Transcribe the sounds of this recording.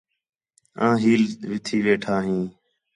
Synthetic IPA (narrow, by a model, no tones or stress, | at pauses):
ãːɦiːlʋɪt̪ʰiːʋeːʈʰaːɦĩː